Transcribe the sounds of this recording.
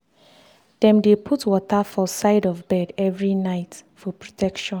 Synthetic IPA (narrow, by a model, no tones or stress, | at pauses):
d̥ɛ̃mdepʰutwɔtafɔsaɪdɔvbɛdɛvɹinaɪtfɔpɹotʰɛkʃɔ̃n